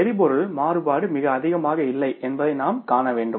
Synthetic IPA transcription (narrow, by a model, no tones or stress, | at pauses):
ɛɾɪpɔɾɯɭmaːrɯbaːɽɯmɪɣɐːðɪɣɐmaːɣɐɪlːɐɪʔɛnbɐðɐɪnaːmkaːnɐʋeːɳɖɯ